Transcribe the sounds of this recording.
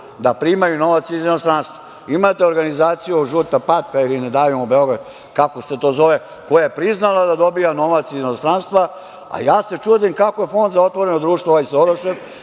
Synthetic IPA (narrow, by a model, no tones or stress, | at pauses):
d̪apɾimajuno̞ʋat̪sizenost̪ɾanst̪ʋa | imat̪e̞o̞ɾɡanizaːt̪sijuʒuːt̪apat̪̚kailined̪aːʋimobeo̞ɡɾad̪ | kako̞se̞t̪o̞ːzo̞ʋe | ko̞jajepɾiznalˠad̪ad̪o̞bijano̞ʋat̪sizenost̪ɾanst̪ʋa | a̰jaːse̞t͡ʃuːd̪imkakoje̞fo̞nd̪zao̞t̪ʋo̞ɾe̞nod̪ɾuːʃt̪ʋooʋajsoɾoʃev